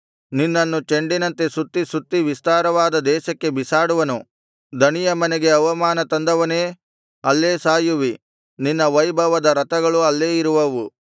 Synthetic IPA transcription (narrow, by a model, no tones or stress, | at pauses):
ninːɐnːut͡ʃe̞ɳɖinɐnt̪e̞sut̪ːisut̪ːiʋist̪aːɾɐʋaːd̪ɐd̪ɛːʃɐkːe̞bisaːɽuʋɐnu | d̪ʱɐnijɐmɐneɡe̞ɐʋɐmaːnɐt̪ɐnd̪ɐʋɐne̞ː | ɐlːe̞ːsaːjuʋi | ninːɐʋɐjbʱɐʋɐd̪ɐɾɐt̪ɐɡɐɭuɐlːe̞ːiɾuʋɐʋu